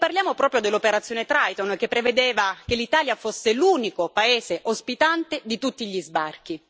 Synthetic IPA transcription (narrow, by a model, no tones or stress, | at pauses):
parljaːmopɾɔːpɾjod̪elːopeɾat̪sːjoːnet̪ɾajt̪onk̟epːɾeved̪eːvak̟elːit̪aːljafosːeluːnikopaeːzeʔospit̪ant̪ed̪it̪ut̪ːiʎizbark̟i